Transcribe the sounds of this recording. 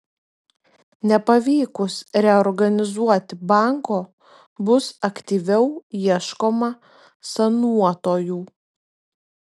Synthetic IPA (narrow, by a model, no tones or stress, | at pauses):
nʲɛpɐʋʲiːkʊsɾʲɛɔɾɡɐnʲɪzuɔt̪ʲbɑˑŋkoː | bʊsɐkt̪ʲiːʋʲɛʊiɛʃkoːmɐ | sɐnuɔt̪oːjuː